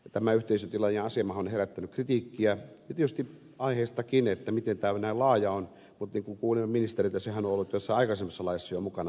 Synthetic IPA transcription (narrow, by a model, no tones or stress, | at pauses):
jɑt̪æmæyht̪eˑisønt̪ilɑjeɑsemɑhonheræt̪ːænykrit̪iːkːiæ | ɑt̪iet̪yst̪i | ɑiheːst̪ɑkinet̪ːæmit̪ent̪æːnæilɑːjɑon | mut̪niːŋkuŋkuːlimeminist̪erit̪jɑsehænoolːut̪t̪æsːɑɑikɑsemːesːɑlɑˑijɑsːɑjomukɑnɑ